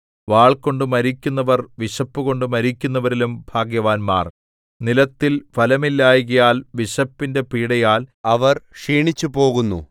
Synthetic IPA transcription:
ʋaːɭkːo̞ɳɖɨmɐɾikʲːunːɐʋɐrʋiɕɐpːuɣo̞ɳɖɨmɐɾikʲːunːɐʋɐɾilumbʱaːɡjɐʋaːnma̰ːr | nilɐt̪ːilfɐlɐmilːaːjɣɐjaːlʋiɕɐpːinde̞piːɽɐjaːlɐʋɐrʂiːɳit͡ɕːupo̞ːɣunːṵ

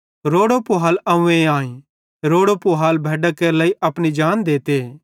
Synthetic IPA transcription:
ɾoːɽopoɦaːlɐ̃ũẽaːĩ | ɾoːɽopoɦaːlbʱɛːɖəkːelɐiʔɐpnid͡ʒaːnd̪eːt̪eː

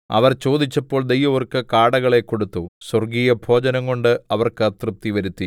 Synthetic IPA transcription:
ɐ̰ʋɐrt͡ɕo̞ːd̪it͡ɕːɐpːo̞ːɭd̪ejʋɐʋɐrkɨkaːɽɐɣɐɭe̞kːo̞ɽut̪ːuswɐrɡiːjɐbʱo̞ːd͡ʑɐnɐŋko̞ɳɖɨɐʋɐrkɨɐt̪rɨp̚t̪ːiʋɐɾut̪ːi

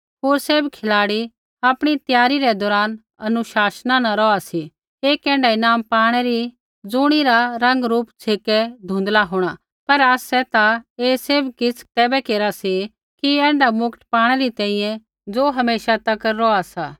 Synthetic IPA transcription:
ɦoːɾseːbkʰɪlaːɽi | aːpɽ̃it̪jaːɾiɾɛd̪ɔːɾaːn | ɐnʊʃaːʃnanɐɾɔasi | eːkɛ̃ːɳɖaɪnaːmpaːɽ̃ɛɾi | d͡zʊɽ̃iɾaɾɐ̃ŋɡɾuːpt͡sʰeːkɛd̪ʱʊ̃ːnd̪laɦoːɽ̃a | pɐɾaːsɛt̪aeːseːbkɪt͡sʰt̪ɛːbɛkeːɾasi | kiɛ̃ːɳɖamʊkʈpaːɽ̃ɛɾit̪ɛ̃ːĩjɛ̃ | d͡zoːɦɐmeːʃat̪ɐkɾɔasaː

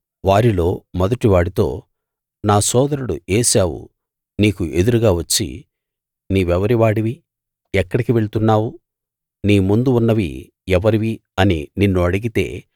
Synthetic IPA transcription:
ʋaːɾilo̞ːmɔd̪ɐʈiʋaːɽit̪o̞̰ː | naːsɔːd̪ɐɾuɽṵeːʃaːwṵ | niːkuʔe̞d̪uɾuɡaːʋɐt͡ʃːḭ | niːʋɛʋɐɾiʋaːɽiʋi | ɛkːɐɽikiʋe̞ɭt̪unːaːʋu | niːmund̪uːnːɐʋḭ | ɛʋɐɾiʋiɐnḭninːuɐɽiɡit̪e̞̰ː

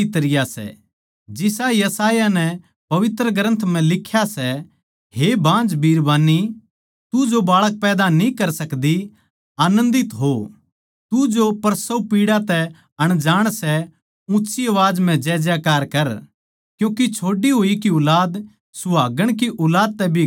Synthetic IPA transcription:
it̪ɐɾɪjasɛ̰ | d͡ʒɪsajɐsaːjanɛ | pɐʋɪt̪ɾəɡɾə̃nt̪ʰmɛ̃lɪkʰːjasɛ | ɦebʱãːd͡ʒbʱiːɾbaːnːi | t̪ud͡ʒobaːɭək̚pɛːd̪anĩkɐɾsɐkd̪i | aːnə̃nd̪ɪt̪ɦo | t̪ud͡ʒopɐɾsɐpiːɽat̪ɛ | ɐɽ̃d͡ʒaːɽ̃sɛ | ʊ̃ːtːt͡ʃiɐʋaːd͡ʒm̤ɛ̃d͡ʒɛːd͡ʒjaːkaːɾkɐɾ | kjũːkit͡ʃʰoːɖiɦoikiʊlaːd̪ | sʊbʱaːɡəɽ̃k̬iʔʊlaːd̪̚t̪ɛbʱi

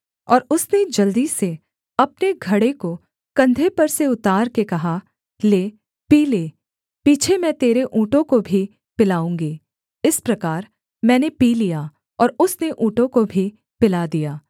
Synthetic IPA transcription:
ɔːɾʊsned͡ʒɐld̪ise | ɐpneɡʱɐɽeko | kɐ̃nd̪ʱepɐɾseʊt̪aːɾkekɐɦa | leː | piːleː | piːt͡ʃʰemɛ̃ːt̪eːɾeʔũːʈõkobʱi | pɪlaːũːŋɡiː | ɪspɾɐkaːɾ | mɛ̃ːnepiːlijaː | ɔːɾʊsneʔũːʈõkobʱi | pɪlad̪ijaː

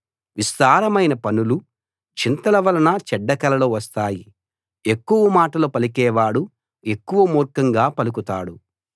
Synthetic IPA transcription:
ʋist̪aːɾɐmɐjnɐpɐnulu | t͡ʃint̪ɐlɐʋɐlɐnɐt͡ʃɛɖːɐkɐlɐloːʋɐst̪aːji | e̞kːuʋɐmaːʈɐloːpɐlikɛːʋaːɽu | e̞kːuʋɐmuːɾkɐŋɡaːpɐluk̬ut̪aːɽu

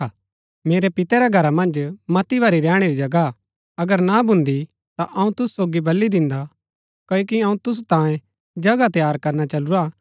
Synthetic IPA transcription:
meːɾepɪt̪ɛɾaɡʱɐɾamɐ̃nd͡ʒmɐt̪ibɐɾiɾɛ̃ːɽ̃eɾid͡ʒɐɡa | ɐɡəɾnabʱʊ̃nd̪i | t̪a̰ʔɐũt̪ʊsusoːɡibɐlːid̪ɪ̃nd̪a | kɐjokiɐũt̪ʊs̬t̪ãːjẽ | d͡ʒɐɡat̪jaːɾkɐɾnat͡ʃɐluɾa

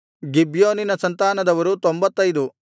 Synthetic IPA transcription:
ɡibjoːninɐsɐnt̪aːnɐd̪ɐʋɐɾut̪ombɐt̪ːɐjd̪u

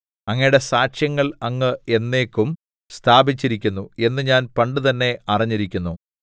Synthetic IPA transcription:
ɐŋːɐjuɽe̞saːʂjɐŋːɐɭɐŋːɨe̞nːe̞ːkːum | st̪ʰaːbit͡ɕːiɾikʲːunːue̞nːɨɲaːnpɐɳɖɨt̪ɐnːe̞ɐrɐɲːiɾikʲːunːu

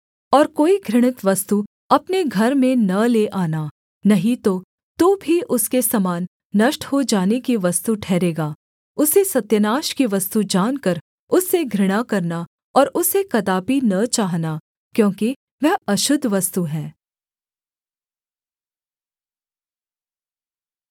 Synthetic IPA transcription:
ɔːɾkoːiɡʱɾɪɽ̃ɪt̪ʋɐst̪u | ɐpneɡʱɐɾmẽnɐleʔaːna | nɐɦĩt̪o | t̪ubʱiʔʊskesɐmaːnː | ɐʃʈʰhod͡ʒaːnekiʋɐst̪uʈʰɛːɾeːɡaː | ʊsesɐt̪jənaːʃkiʋɐst̪ud͡ʒaːnkɐɾ | ʊsːeɡʱɾɪɽ̃akɐɾna | ɔːɾʊsekɐt̪aːpinɐt͡ʃaːɦna | kjõːki | ʋɛɦɐʃʊd̪ʱːʋɐst̪uɦɛ̃ː

